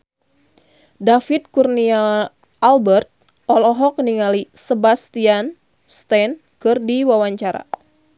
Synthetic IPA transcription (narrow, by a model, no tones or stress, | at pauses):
dafit̪̚kurnia | ʔːlbərt̪̚ | ʔɔlɔɦɔk̚niŋalisəbast̪ian | st̪ɛn | kɨrdiwawaɲt͡ʃaɾa̰